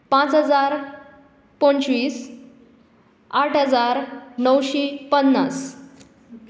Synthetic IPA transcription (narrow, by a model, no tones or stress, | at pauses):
pãt͡sɦəd͡zaɾ | poɳɕʋiːs | aʈʰɦəd͡zaɾnəwɕipənːas